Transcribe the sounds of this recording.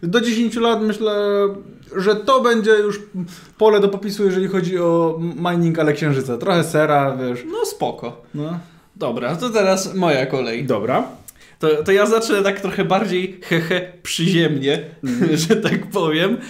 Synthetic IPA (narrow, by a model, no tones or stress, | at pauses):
d̪ɔd͡ʑeɕeɲʲt͡ɕulat̪mɘɕlɛ | ʐɛt̪ɔbɛɲd͡ʑɛjuʂ | pɔlɛd̪ɔpɔpʲisujɛʐɛlʲixɔd͡ʑiɔmajniŋkalɛkɕɛ̃ʐɘt̪sɛt̪ɾɔxɛsɛɾavʲjɛʂnɔspɔkɔnɔ | d̪ɔbɾat̪ɔt̪ɛɾasmɔjakɔlɛjd̪ɔbɾa | t̪ɔt̪ɔjazat͡ʂnɛt̪ak̚t̪ɾɔxɛbaɾd͡ʑejxɛxɛpʂɨʑɛmɲɛʐɛt̪akpɔvʲjɛm